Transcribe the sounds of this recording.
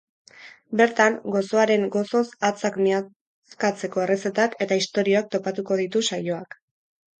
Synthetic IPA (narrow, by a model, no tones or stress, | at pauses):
be̞ɾt̪aŋɡo̞so̞aɾe̞ŋɡo̞so̞sat͡sakmia | kat͡se̞ko̞e̞re̞se̞t̪ake̞t̪aist̪o̞ɾio̞ak̚t̪o̞pat̪uko̞ðit̪usajo̞ak